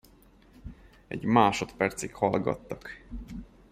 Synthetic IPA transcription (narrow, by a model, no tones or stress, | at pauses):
ɛ̰ɟmaːʃo̞t̪pɛrt̪sikhɒlɡɒ̰t̪ːɒk